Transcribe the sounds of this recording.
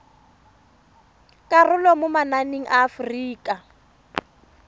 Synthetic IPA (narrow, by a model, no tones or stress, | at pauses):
kʼarʊlɔmʊmananeŋ̩ʔaːfriːkʼa